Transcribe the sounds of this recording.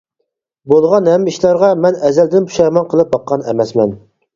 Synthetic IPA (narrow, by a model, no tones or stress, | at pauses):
bolˠʁɑnhɛmːiʃlɑɾʁɑmɛnɛzɛld̪ɪnpʰu̥ʃɛmɑnqʰəlˠɨp̚bɑqːɑnɛ̰mɛsmɛn